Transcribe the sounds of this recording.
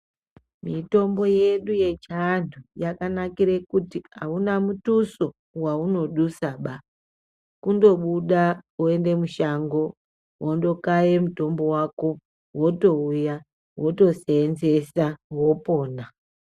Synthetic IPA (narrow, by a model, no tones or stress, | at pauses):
mito̞mbo̞je̞ɗuje̞t͡ʃanujakanakiɾekutiaunamutuso̞ | wauno̞ɗusaɓa | kundo̞ɓuɗaue̞nde̞muʃaŋɡo̞ | wʔondo̞kajemuto̞mbo̞wako̞ | woto̞uja | wo̞to̞seːnze̞sawo̞po̞ːna